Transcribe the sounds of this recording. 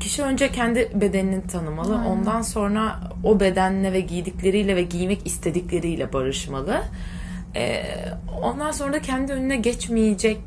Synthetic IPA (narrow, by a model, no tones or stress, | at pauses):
cʰi̥ʃiø̞nd͡ʒɛcʰɛnd̪ibe̞d̪eninint̪ʰanɯmalˠɯʔo̞nd̪anso̞nɾa | obe̞d̪ænlʲɛvɛɟijd̪iclʲe̞ɾijlʲɛvɛɟijmɛcist̪ʰe̞d̪iclʲe̞ɾijlʲɛbaɾɯʃmalˠɯ | ɛ̰ːo̞̰nd̪anso̞nɾacʰɛnd̪iø̞nynɛɟɛt͡ʃmijed͡ʒɛc̚